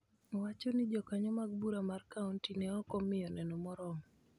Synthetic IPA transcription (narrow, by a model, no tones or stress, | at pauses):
wat͡ʃɔnɪd͡ʒɔkaɲɔmaɡ̚buɾamarkauntinɛɔkɔmɪjɔnɛnɔmɔɾɔŋ